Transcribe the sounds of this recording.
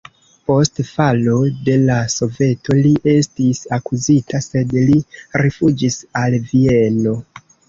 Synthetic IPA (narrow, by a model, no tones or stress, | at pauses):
po̞stfalode̞laso̞ve̞tʰo̞liʔe̞stisakuzitʰase̞dliɾefud͡ʒisalvie̞no̞